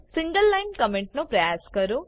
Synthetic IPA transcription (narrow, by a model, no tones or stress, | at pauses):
siŋɡɐlːɐjnkɐmeɳʈnupɾɐjaːskɐɾu